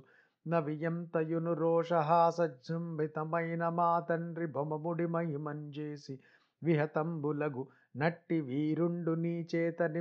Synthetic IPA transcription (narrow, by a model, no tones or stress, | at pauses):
nɐʋijɐmt̪ɐjunuɾoːʂɐɦaːsɐd͡ʒd͡ʒɐmbʱit̪ɐmɐjnɐmaːt̪ɐnɾibʱɐmɐmuɽimɐjimɐɲd͡ʒeːsi | ʋiɦɐt̪ɐmbulɐɡu | nɐʈːiʋiːɾuɳɖuniːt͡ʃeːt̪ɐni